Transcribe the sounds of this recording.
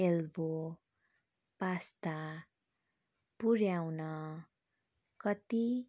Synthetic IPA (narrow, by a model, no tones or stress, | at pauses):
elbo | past̪a | puɾjawnʌ | kʌt̪i